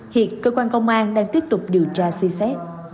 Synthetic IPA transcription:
hḭ˧˨ənkəː˧kwaː˧nkə˧wŋ͡mʔaː˧nɗaː˧ŋt̪i˦˥əp̚t̪ʊ˨˩k͡p̚ɗi˨˩əwt͡ɕaː˧sɛ˧sɛ˦˥t̚

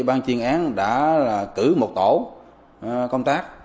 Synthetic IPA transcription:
ɓaː˧nt͡ɕi˧˩ənʔaː˨˦nɗa̰ː˧˥laː˨˩kɨ˧˩mo˨˩t̚t̪o̰˧˩˥ | kə˧wŋ͡mt̪aː˦˥k̚

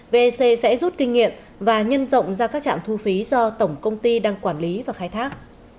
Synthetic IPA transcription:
ve˧se˧sɛ̰˧˥zu˦˥t̚kï˧ŋ̟ŋḭ˧˨əm | vaː˨˩ɲə˧nzə̰˧˨wŋ͡mzaː˧kaː˦˥k̚t͡ɕa̰ː˧˨mt̪ʰu˧fi˨˦zɔ˧t̪ə˧˩wŋ͡mkə˧wŋ͡mt̪i˧ɗaː˧ŋkwaː˧˩nli˨˦vaː˨˩xaː˧jt̪ʰaː˦˥k̚

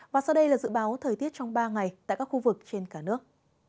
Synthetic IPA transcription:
vaː˨˩sa˧wɗə˧jlaː˨˩zɨ̰˧˥˨ɓaː˨˦wt̪ʰəː˨˩jt̪i˦˥ət̚t͡ɕɔ˧wŋ͡mɓaː˧ŋa˨˩jt̪a̰ː˧˨jkaː˦˥kxu˧vɨ˨˩k̚t͡ɕe˧nkaː˧˩nɨ˦˥ək̚

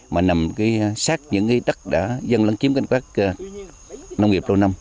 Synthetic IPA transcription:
maː˨˩na˨˩mkaː˨˦jsaː˦˥k̚ɲɨ̰˧˥ŋkiː˨˦ɗ̪ə˦˥k̚ɗa̰ː˧˥zə˧nlə˨˧˦ŋt͡ɕi˨˦əmka˧˩ŋkwaː˦˥k̚ː | na˧wŋ͡mŋi˨˩əp̚lo˧na˧m

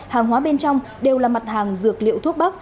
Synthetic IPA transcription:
haː˨˩ŋɦwaː˨˦ɓe˧nt͡ɕɔ˧wŋ͡m | ɗe˨˩wlaː˨˩ma˨˩t̚haː˨˩ŋzɨ˨˩ək̚lḭ˧˨əwt̪ʰu˦˥ək̚ɓa˦˥k̚

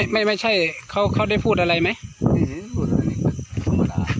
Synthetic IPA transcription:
jma˥˩jma˥˩jt͡ɕʰa˥˩jkʰa˧˥wkʰa˧˩da˥˩jpʰuː˥˩t̪̚ʔa˧ɾa˧jma˦˥j | a˧

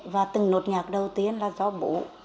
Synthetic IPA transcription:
vaː˨˩t̪ɨ˨˩ŋno˨˩t̚ɲaː˨˩k̚ɗə˨˩wt̪i˧ənlaː˨˩zɔ˨˦ɓṵ˧˦

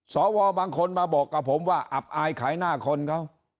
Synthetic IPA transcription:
sɔː˩˦wɔː˧baː˧ŋkʰo˧nmaː˧bɔː˨˩kːa˨˩pʰːo˩˦mwaː˥˩ʔa˨˩p̚ʔaː˧jkʰaː˩˦jnaː˥˩kʰo˧nkʰa˦˥˩w

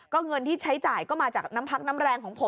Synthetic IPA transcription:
kɔː˥˩ŋɤ˧nt̪ʰiː˥˩t͡ɕʰa˦˥jt͡ɕaː˨˩jkɔː˥˩maː˧t͡ɕaː˨˩k̚na˦˥mpʰa˦˥k̚na˦˥mɾɛː˧ŋkʰɔː˩˦ŋpʰo˩˦

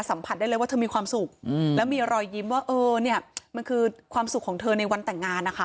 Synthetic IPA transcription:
sa˩˦mpʰa˨˩t̪̚daː˥˩jlːjwaː˥˩t̪ʰɤ˧miː˧kʰwaː˧msu˨˩k̚ːlɛ˦˥wmiː˧ʔɾɔː˧jːi˦˥mwaː˥˩ʔɤː˧ni˥˩ɐma˧nkʰɯː˧kʰwaː˧msu˨˩kʰːɔː˩˦ŋt̪ʰɤː˧na˧jwa˧nt̪ɛ˨˩ŋːaː˧nːa˦˥kʰa˦˥

